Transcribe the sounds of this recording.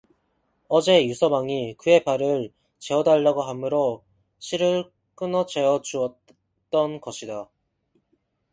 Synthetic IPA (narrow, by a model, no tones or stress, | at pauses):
ʌd͡ʑe̞jusʰʌmaŋikɯe̞paɾɯɭ | t͡ɕe̞ʌdaɭːaɡoɦamɯɾo | ɕʰiɾɯɭ | k͈ɯnʌt͡ɕe̞ʌd͡ʑuʌt̚ | t͈ʌnɡʌɕʰida